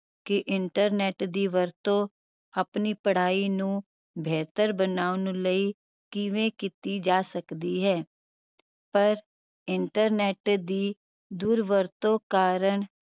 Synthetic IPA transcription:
keʔɪɳʈəɾneːʈd̪iʋəɾt̪õ | əpnipəɽ̤aːinũ | bʱɛːt̪əɾbənaːʊnləi | kiʋẽkɪt̪id͡ʒaːsəkd̪iɦɛː | pəɾ | ɪɳʈəɾneːʈd̪i | d̪uːɾʋəɾt̪õkaːɾəɳ

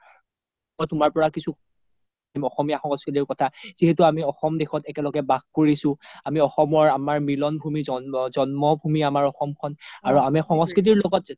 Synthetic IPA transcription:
ɔtʊmaɹpɔɹakisuk | mɔxɔmijaxɔŋɔskɹit̬iɹkɔtʰaz̥iɦɛtuamiɔxɔmdexɔtɛkɛlɔɡɛbaɡkoɹisʊ̃amiɔxɔmɔɹamaɹmilɔnbʱumizɔzɔnmɔbʱumiamaɹɔxɔmkʰɔnaɹuamɛxɔŋɔskɹit̬iɹlɔɡɔt̚

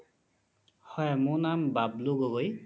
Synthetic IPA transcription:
hɔjɛmʊnambabluɡoɡoj

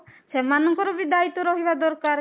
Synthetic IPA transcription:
semanɔŋkɔɾɔbid̪ait̪ɔɾɔɦibad̪ɔɾkaɾ

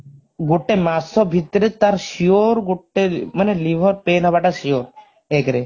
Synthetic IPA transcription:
ɡoʈemasɔbʱit̪ːɔɾet̪aɾʃioɾɡoʈːemanelibʱɔɾpenɦɔbaʈaʃioɾ | ekɾe

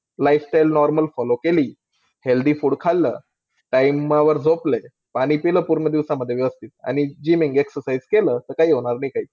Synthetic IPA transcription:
lajfsʈajlnɔɾməlfɔlokeliː | held̪iːfuːɽkʰalːə̰ː | ʈajmaʋəɾd͡zople | paɽ̃iːpiləːpuɾɳəd̪iʋsaməd̪ʱjeʋjeʋəst̪ʰit̪̚a̰ɽ̃id͡ʑimiŋɡeksəɾsajd͡zkeləːt̪əɾkaɦiːɦoɽ̃aɾnaiːkʰaiː

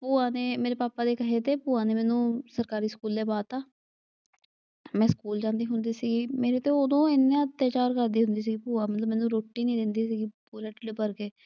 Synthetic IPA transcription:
puːaːneːmeːɾeːpaːpaːd̪eːkəɦeːt̪eːpuːãːneːmɛ̃ːnũːsəɾkaːɾiːskuːlːeːbaːt̪aː | mɛ̃ːskuːld͡ʒãːnd̪iːɦʊnd̪iːsiːɡiːmeːɾeːt̪eːʊd̪õːɪnːẽt̪ːjaːt͡ʃaːɾkəɾd̪iːɦʊnd̪iːsiːɡiːpuːaːmət̪ləbmɛ̃ːnũːɾoːʈːiːnĩːd̪ɪnd̪iːsiːɡiːpuːɾeːʈleːpəɾkeː

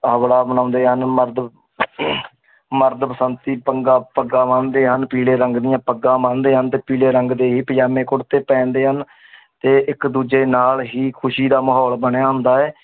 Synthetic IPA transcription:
əʋɽaːbənãːʊ̃nd̪eːɦənməɾd̪ | məɾd̪pəsənt̪iːpəŋɡaːpəɡãːmãːnd̪eːɦənpiːleːɾəŋɡd̪ɪjãːpəɡãːmãːnd̪eːɦənt̪eːpiːleːɾəŋɡd̪eːɦiːpəjaːmẽːkʊɽt̪eːpɛ̃ːnd̪eːɦən | t̪eːʔɪkd̪uːd͡ʒeːnaːlɦiːkʰʊʃiːd̪aːməɦɔːlbəɳjaːɦʊ̃nd̪aːɛː

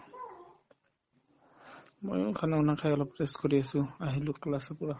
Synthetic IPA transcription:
mo̰jʊ̰kʰanɛunakʰajɔlɔpteskoɹiasʊ̃aɦilʊklasɔpʊɹa

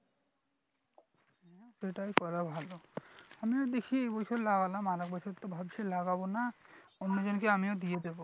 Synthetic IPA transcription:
ɦɛʃeʈajkɔɾabʱaloamiod̪ekʰieejbɔjɕʰoɾlaɡalamaɾek̚bɔjʃʰoɾt̪ːobʱabʃʰelaɡabonaonːod͡ʑonkeamiod̪ied̪ebo

